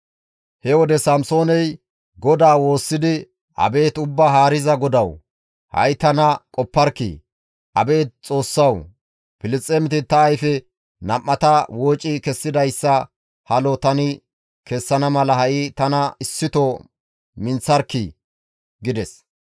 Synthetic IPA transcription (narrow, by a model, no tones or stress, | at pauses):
hɛwɔd̪ɛsɐmso̞ːnɛj | ɡɔd̪aːwo̞ːsːɪd̪ɪ | ʔɐ̰be̞ːt̪ʊbːaːɦaːɾɪzɐɡɔd̪ɐw | hɐ̰jt̪ɐnɐkʼɔpːɐɾkːḭ | ʔɐ̰be̞ːt̪̚t͡sʼo̞ːsːɐw | pɪlɪt͡sʼːeːmɪt̪ɪt̪ːɐːjfɛ | nɐmːɐt̪ɐwoːt͡ʃʼːɪkɛsːɪd̪ɐjsːɐ | hɐlɔt̪ɐnɪ | kɛsːɐnɐmɐlɐhɐʔɪt̪ɐnɐɪsːɪt̪ɔ | mɪnt͡sːɐɾkːɪ | ɡɪd̪ɛs